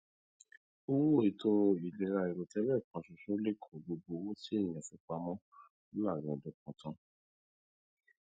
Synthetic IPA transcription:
u˦wu˦o˨i˨to˧i˨lɛ˨ɾa˧i˨ɾo˨tɛ˦lɛ˦˨k͡pã˨ʃu˨ʃo˦le˦kʰɔ̃˨ɡ͡bo˧ɡ͡bo˧wo˦si˦e˦˨j̃ã˨fĩ˨˧˦k͡pa˧mɔ̃˦ | la˦˨ɾɛ̃˨dɔ˧kɔ̃˨tã˨˧

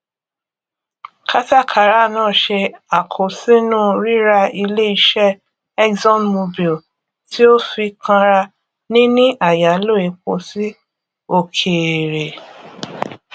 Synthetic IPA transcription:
kʰa˦ta˦˨kʰa˨ɾa˦˨nãː˦˨ʃe˧a˨kʰo˨sĩ˦nũ˦˨ɾi˦ɾa˧i˧le˦i˧ʃɛ˦ | ɛ˦kzɔ̃˦nmo˧bi˨l | ti˦o˦fi˧kʰã˧ɾa˧ | nĩ˦nĩ˦ʔa˦˨ja˨˦lo˦˨e˨˧k͡po˧˨si˦ | o˦˨kʰe˨ɾe˨

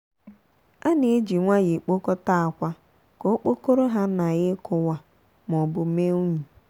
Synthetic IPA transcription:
a˦ne˨˦d͡ʒi˨ŋʷa˦ɣe˨k͡po˦kɔ˦ta˦a˨kʷa˦ | ko˦k͡po˦ko˦ɾo˦ɦa˦na˨ɣɪ˦kʰʊ˦wa˦ | m˨ɔ˨bʊ˨me˦u˦ɲu˨

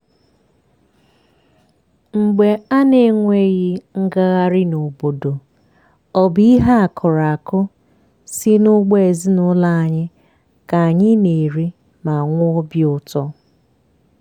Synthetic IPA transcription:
ŋ͡m̩˨ɡ͡be˨a˦ne˨ŋʷe˦ɣi˦ŋ̩˦ɡa˦ɣa˦ɾɪ˦no˨bo˨do˨ | ɔ˨bi˦ɦa˦a˨kʰɔ˨ɾa˨a˨kʊ˦ | si˦nʊ˦ɡ͡be˦e˨zi˦nʊ˦la˨a˨ɲɪ˦ | ka˨a˨ɲɪ˦ne˨ɾi˦ | ma˨ŋʷʊ˦bjʊ˨tɔ˦

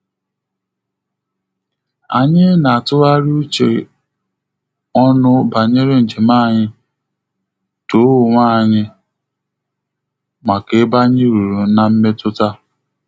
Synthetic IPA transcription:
a̰˨ɲɪ˦na˨a˨tʊ˦ɾa˦ɾu˦u˦t͡ʃḛ˨ | ɔ˦nʊ˦ba˨ɲe˦ɾe˦n̩˨d͡ʒe˨ma˦˨ɲɪ˦ | to˨˦wʊ˨ŋʷaː˦˨ɲɪ˦ | ma˨ke˨˦ba˦ɲɪ˦ɾu˨ɾu˨na˨m̩˦me˦tʊ˦ta˦

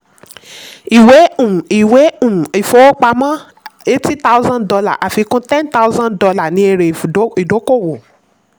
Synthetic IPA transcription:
i˨we˨˦ũ˦˨i˨we˨˦ũ˦˨i˨fo˨˦wo˦k͡pa˧mã˦ | e˦ti˦ta˦u˦zã˦ndɔ˧la̰˦˨ʔa˨fi˨˧kũ˦tɛ̃˦nta˦u˦zã˦ndɔ˧la˦˨nĩ˧˦e˧ɾe˨˦i˨do˨˦ko˦˨wo˨

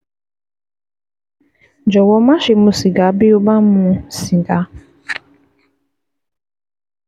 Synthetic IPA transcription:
d͡ʒɔ˨wɔ˦ma˦ʃɪ˨mu˦si˨ɡa˨˦bɪ˦o˦ba˦mũ˨˦si˨ɡa˦

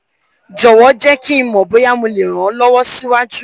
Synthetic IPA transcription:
d͡ʒɔ˨wɔ˨˦d͡ʒɛ˦ki˦˧mɔ̃˨bo˨˦ja˦mũ˧le˨ɾ̃ã˨˦lɔ˦wɔ˦si˦wa˦d͡ʒu˦

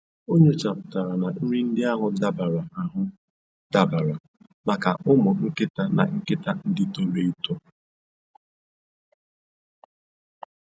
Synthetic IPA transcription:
o˦ɲe˦t͡ʃa˨pʊ˨ta˨ɾa˨na˨n̩˦ɾi˦n̩˦dɪ˦a˦ɦʊ˨da˦ba˨ɾa˨ʔa˨ɦʊ˦ | d̥a˨ba˨ɾa˨ | ma˨ka˨ʔʊ˦mʊ˨ŋ̩˦kɪ˦ta˨na̰˨ŋ̩˦kɪ˦ta˨n̩˦dɪ˦to˦le˦i˦to˦

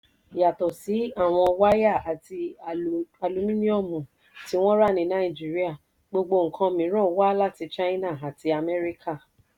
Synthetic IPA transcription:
ja˨tɔ˨si˨˦a˦˨w̃ɔ̃˧wa˦ja˦˨a˨ti˧ | a˧lu˧mĩ˦nĩ˦ɔ˦˨mũ˨ | ti˨˦w̃ɔ̃˦ɾa˦˨nĩ˧nã˨˦i˨d͡ʒi˨˦ɾi˦a˦˨ | ɡ͡bo˧ɡ͡bo˧ŋ̩˨kʰã˧mĩ˨˦ɾ̃ɔ̃˦˧wa˦la˦ti˧t͡ʃa˦i˦na˦˨a˨ti˧a˨mɛ˦ɾi˦kʰa˦˨

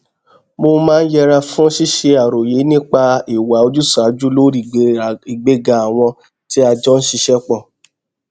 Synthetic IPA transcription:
mo˧mãː˦n̩˦jɛ˧ɾa˧fũ˦ʃi˦ʃe˧a˨ɾo˨je˨˦nĩ˦k͡pa˧i˨wa˨˦o˧d͡ʒu˦sa˨˦d͡ʒu˦lo˦ɾi˦˨i˨ɡ͡be˨˦ɡa˧˨a˨w̃ɔ̃˧ | ti˦a˧d͡ʒɔ˦n̩˦ʃi˧ʃɛ˦k͡pɔ̃˦˨

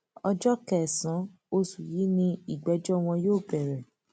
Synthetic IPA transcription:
ɔ˧d͡ʒɔ˦kɛ˦˨sã˨˦ | o˧su˨ji˨˦nĩ˧i˨ɡ͡bɛ˨˦d͡ʒɔ˦˨w̃ɔ̃˧joː˦˨bɛ˨ɾɛ˨

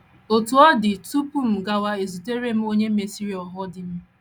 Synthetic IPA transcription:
o˨tu˨ɔ˦dɪ˨tu˦pu˦m̩˨ɡa˦wa˦e˨zu˨te˦ɾe˦m̩˦o˦ɲe˦e˨si˦ɾi˨˦ɔ˨ɦɔ˦dɪ˦m̩˦

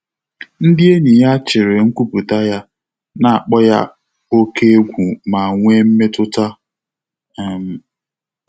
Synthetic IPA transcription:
n̩˦dɪ˦e˦ni˨ja˦t͡ʃɪ˨ɾɪ˨ŋ̩˦kʷu˦pu˨ta˦ja˦ | na˨a˨k͡pɔ˦ja̰˦ | o˦ke˦e˦ɡʷu˨ma˨ŋʷe˦m̩˦me˦tʊ˦ta˦ | ɛ˦˨m̩˨

